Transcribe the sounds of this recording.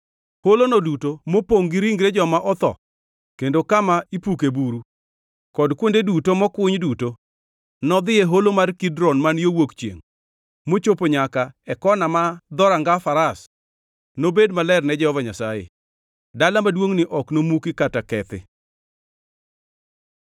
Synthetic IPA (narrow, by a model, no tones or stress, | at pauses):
holonodutomopoŋɡiɾiŋɡɾed͡ʒɔmaʔɔt̪ɔ̰ | kendokamaipukebuɾu | kɔdkwondedutomɔkʊɲduto | nɔd̪ɪeɦolomarkidɾɔnmanjowokt͡ʃjḛŋ | mot͡ʃopoɲakaɛkɔnamad̪ɔɾaŋɡafaɾas | nobedmalɛrnɛd͡ʒɛhɔvaɲasajḛ | dalamadwoŋnɪʔɔknomukikatakɛt̪ɪ̰